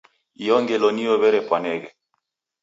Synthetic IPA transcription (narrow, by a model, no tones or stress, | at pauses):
ijɔŋɡɛlɔnijɔβɛɾɛpwanɛɣɛ